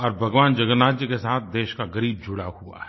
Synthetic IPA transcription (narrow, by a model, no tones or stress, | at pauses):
ɔːɾbʱɐɡʋaːnd͡ʒɐɡənaːd͡ʒjəkesaːt̪̚ʰd̪eːʃkaɡɐɾiːb̚d͡ʒʱʊɽahua̰ɦɛ